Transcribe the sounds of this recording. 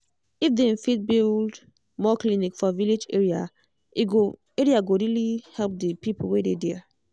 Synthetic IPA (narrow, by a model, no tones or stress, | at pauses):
ifdefit̚bild | mɔklinikfɔviled͡ʒeɹia | ɡo | eɹiaɡoɹilihɛlp̚dipipolwededɛ